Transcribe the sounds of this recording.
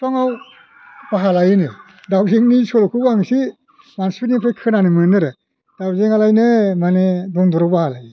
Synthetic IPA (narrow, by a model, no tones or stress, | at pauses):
tʰɔŋaw | baɦalajɯnɯ | dawzeŋnisɔlɔkʰubaŋsi | manspʰitnipʰɾekʰɯnanimɯnɯɾɯ | d̥awzeŋalajnɯmanedɔŋdɾɔwbahalaj